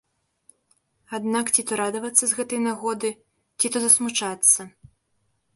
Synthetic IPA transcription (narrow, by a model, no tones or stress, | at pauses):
ad̪nakt͡sʲit̪ɔɾad̪ɐvɐt̪sːɐzɣɛt̪ɐjnaɣɔd̪ɨ | t͡sʲit̪ɔzɐsmut͡ʂat̪sːɐ